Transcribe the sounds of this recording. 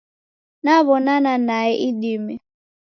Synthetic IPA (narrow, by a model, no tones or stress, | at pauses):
naβɔnananaɛʔidimi